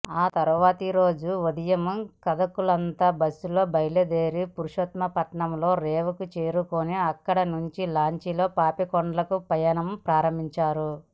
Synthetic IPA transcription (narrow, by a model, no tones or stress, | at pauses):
aːt̪ɐɾuʋaːt̪iɾo̞ːd͡ʒuod̪ɐjɐmkɐd̪ɐkulɐnt̪aːbɐsulo̞ːbɐjled̪eːɾipuɾuʂɐt̪mɐpɐʈɳɐmlo̞ːɾɛːʋɐkut͡ʃeːɾukoːniɐkːɐɽɐnuɲt͡ʃilaːɲt͡ʃilo̞ːpaːpikoɳɖɐlɐkupɐjanɐmpɾaːɾɐmbʱiɲt͡ʃaːɾu